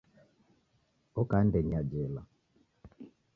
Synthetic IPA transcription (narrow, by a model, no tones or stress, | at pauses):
ɔkandɛɲad͡ʒɛla